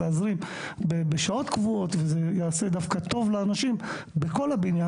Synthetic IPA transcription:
eazʁim | bebeʃao̞t̪kvuo̞t̪vezejaːse̞d̪afkat̪o̞vleanaʃim | beko̞labinja

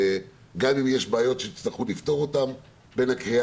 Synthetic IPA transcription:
ɡamimjeʃbaːjo̞tʃeit͡sliχulift̪o̞ʁo̞tam | be̞nhakʁia

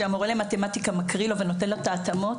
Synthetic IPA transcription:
eamoʁelematematikamakʁilo̞veno̞tenlot̪aːt̪amo̞

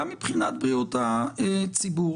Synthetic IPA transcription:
amːipχinat̪̚bʁiut̪aet͡sibu

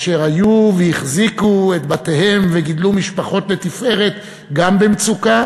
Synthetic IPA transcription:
ʃeʁajuvejiχzikue̞t̪batehe̞mveɡid̪lumiʃpaχo̞t̪le̞t̪ife̞ʁe̞t̪ | ɡambemt͡suka

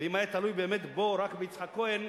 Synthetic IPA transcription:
eimajet̪alujbeːmet̪boɾakbeit͡sħakoen

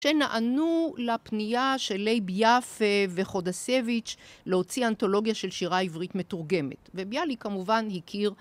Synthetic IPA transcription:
ʃe̞naʔanulapnijaʃelejbjafeve̞χo̞dasevit͡ʃleho̞t͡sianto̞lo̞ɡjaʃe̞lʃiʁaivʁitme̞tuʁɡe̞mḛtve̞bjalikamuvanhikʰiʁ

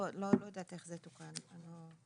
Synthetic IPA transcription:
lolojad̪at̪eχzet̪ukanlo

